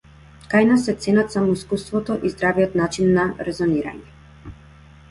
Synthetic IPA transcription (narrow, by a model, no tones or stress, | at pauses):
kajnasɛt̪sɛnat̪samɔiskust̪vɔt̪ɔʔizd̪ɾavijɔt̪nat͡ʃinːaɾɛzɔniɾa̰ɲɛ